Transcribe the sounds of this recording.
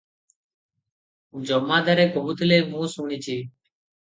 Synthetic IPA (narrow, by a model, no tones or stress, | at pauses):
ũːd͡ʒoːmãːd̪əɾeːɡʱoːʊt̪leːmũːsuːɳiːt͡ʃʰiː